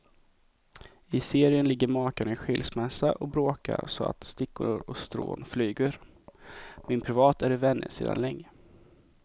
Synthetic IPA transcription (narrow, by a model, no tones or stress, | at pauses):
ɪseːɾɪənlɪɡːəɾmɑːkanɧɪlsmɛsːaʔɔbɾoːka̰ɾsɔa̰t̪st̪ɪkːʊɾɔkst̪ɾo̰ːnflyːɡəɾ | mɪnpʰɾɪvɑːt̪æɾɪvɛnːə̰sḛːd̪a̰nlɛŋːə